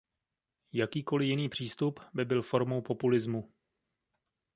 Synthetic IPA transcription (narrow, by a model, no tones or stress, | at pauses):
jakiːko̞lɪjɪniːpr̝̥iːst̪upbɪbɪlfo̞ɾmo̞wpo̞pulɪzmu